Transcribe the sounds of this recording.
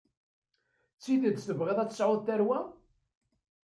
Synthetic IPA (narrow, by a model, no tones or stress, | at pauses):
t͡sːiðəd̪θəvʁeðˤæt͡sːsʕʊðθæɾwæ